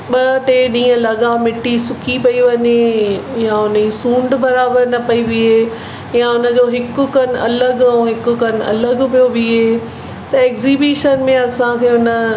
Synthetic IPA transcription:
ɓɐʈeɗĩːə̃lɐɠamɪʈːisʊkʰipɐiʋɐɲejaʊnəisũːɳɖbɐɾaːbəɾnɐpɐiʋiɦeː | jãʊnə̆d͡ʑoːɦɪkʊkɐn̆ɐ̰ləɡ̃ɦɪkʊkɐn̆ɐ̰ləɡpijoʋiɦeː | t̪ɐeːkzibiːʃənmẽɐsãkʰeːʊnə̆

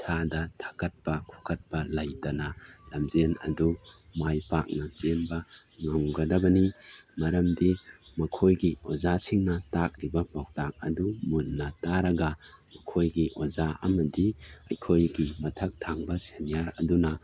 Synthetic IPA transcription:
tʰadɐtʰḁkɐt̚pɐkʰu̥kʰɐt̚pɐlɐjtɐnɐlɐmzenɐ̰du | majpak̚nɐsenbɐ | ŋaŋɡɐdɐbɐnimɐɾɐmdimɐkʰojɡio̰zasiŋnɐtak̚ɾibɐmak̚tak̚ɐdumunːɐtaɾɐɡɐmɐkʰojɡiʔozaɐ̰mɐdiɐ̰jkʰojɡimɐtʰɐk̚tʰaŋbɐsenijaɾɐ̰dunɐ

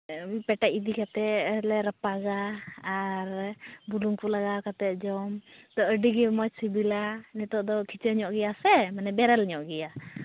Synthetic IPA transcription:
pɛʈaʔid̪ikat̪ɛlɛɾəpaɡaː | ɾbuluŋkulaɡakat̪ɛd͡ʒɔmt̪ɔəɖiɡɛmɔjsibilanɛt̪ɔd̪ɔkʰit͡ʃəɲɔʔɡɛjasɛmanɛbɛɾɛlɲɔʔɡɛja

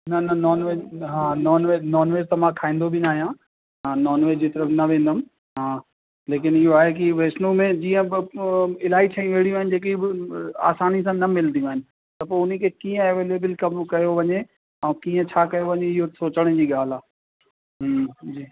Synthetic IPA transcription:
nɐnɐnɔːnʋeːɦãːnɔːnʋenɔːnʋeːzt̪ɐmãkʰaːĩːn̆d̪obʱɪnaːɦijã | ɦãːnɔːnʋeːd͡ʑiːt̪ɐɾəfnɐʋẽːn̆d̪əm | ɦãː | leːk̬ɪnɪɦoaːɦek̬ɪiʋeːsnumẽd͡ʑiːə̃ɪɪlaːit͡ɕʰãːĩʋeːɽijũaːɦɪnɪ̆d͡ʑeːk̬iɪa̰ːsaːnisãnɐmɪld̪ijũaːɦɪnɪ̆ | t̪ɐpoːʊn̤ĩkʰekĩːə̃ɐʋeːleːbɪlkɐmkɐjoʋɐɲe | ɛ̃ːkiːə̃t͡ɕʰaːkɐjoʋɐɲeɪɦosoːt͡ɕəɽ̃ə̃d͡ʑiːɠaːl̤aː | ɦd͡ʑiː

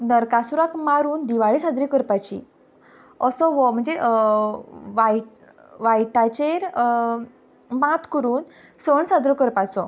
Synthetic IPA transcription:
nəɾkasuɾakmaɾuːnd̪iʋaɭisad̪ɾikəɾpat͡ɕḭ | ɔsɔʋɔm̤əɳd͡zeʔ | ʋaʈ | ʋajʈat͡ɕeɾ | mat̪kəɾuːn | səɳsad̪ɾəkəɾpasɔ

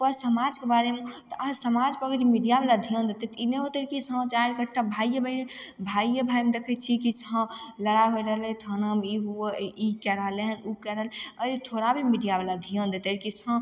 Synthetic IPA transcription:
pəɾsəmad͡ʒkebaɾemet̪ɔʔasəmad͡ʒpəɡəɾimiɖijablad̪ʱijə̃nd̪et̪ɛt̪ineɦot̪əɾkisɦə̃t͡ʃaɾkəʈʰːabʱajːəbʱəinebʱajːəbʱaimed̪ekʰət̪̚t͡ʃʰikisɦə̃ləɽaɦojɾəɦəlɛt̪ʰənəmiɦuəikɛɾəleɦənukɛɾələɾit̪ʰoɾabʱimiɖijabelad̪ʱijə̃nd̪et̪əɾkisɦə̃

